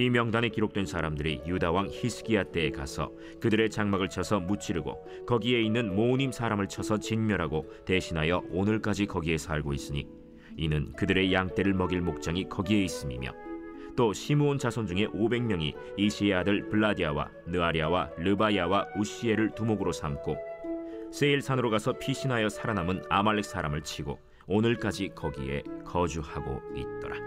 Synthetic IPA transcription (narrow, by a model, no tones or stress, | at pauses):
imjʌŋdane̞kiɾok̚t͈we̞nsʰaɾamdɯɾijudawaŋçisʰɯ̥kiat͈e̞ːkasʰʌ̰ | kɯdɯɾe̞t͡ɕaŋmaɡɯɭt͡ɕʰʌsʰʌmut͡ɕʰiɾɯɡo̰ | kʌɡie̞inːɯnmoɲimsʰaɾamɯɭt͡ɕʰʌsʰʌt͡ɕinmjʌɾɦaɡo | te̞ɕʰinɦajʌonɯɭk͈ad͡ʑikʌɡie̞sʰaɭɡois͈ɯɲḭ | inɯnkɯdɯɾe̞jaŋt͈e̞ɾɯɭmʌɡiɭmok̚t͡ɕ͈aŋikʌɡie̞is͈ɯmḭmjʌ̰ | t͈oɕʰimuont͡ɕasʰond͡ʑuŋe̞ʔobe̞ŋmjʌŋi | iɕʰieadɯɭpɯɭːadiawa̰ | nɯaɾiawalɯbaiawauɕie̞ɾɯɭtumoɡɯɾosʰamk͈ʰo | s͈e̞iɭsʰanɯɾoɡasʰʌpʰiɕʰinɦajʌsʰaɾanamɯnamaɭːek̚s͈aɾamɯɭt͡ɕʰiɡo̰ | onɯɭk͈ad͡ʑikʌɡie̞̰kʌd͡ʑuhaɡo̰it̚t͈ʌɾa